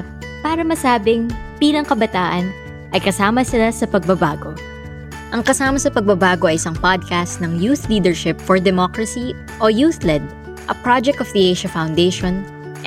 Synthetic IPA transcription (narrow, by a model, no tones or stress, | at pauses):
paːɾɐmɐsaːbɪŋbiːlɐŋkɐbɐt̪aːʔɐn | ʔɐjkɐsaːmɐsɪlasɐpɐɡ̚bɐbaːɡo̞ | ʔɐŋkɐsaːmɐsɐpɐɡ̚bɐbaːɡo̞ʔɐjɪsɐŋpad̪̚kast̪̚nɐŋjuːθliːd̪ɛɹʃɪpfɔɹd̪ɛmokɹɐsi | ʔojuːθlɛd̪̚ | ʔɐpɹad͡ʒɛk̚t̪ɔfd̪iʔejʃɐfawnd̪eʃɔn